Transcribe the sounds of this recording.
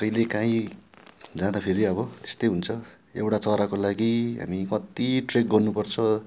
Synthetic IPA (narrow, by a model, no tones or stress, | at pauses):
ʌjlekãĩ | d͡zãd̪apʰeɾiʌbʌt̪e̥st̪ʌjɦunt͡sʰʌ | ewʈat͡sʌɾakolaɡiɦa̰mikʌt̪iʈrek̚ɡʌrnupʌrt͡sʰʌ